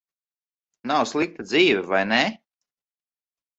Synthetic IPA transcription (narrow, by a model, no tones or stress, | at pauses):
nawslˠik̚t̪ad̪ziːvɛvajne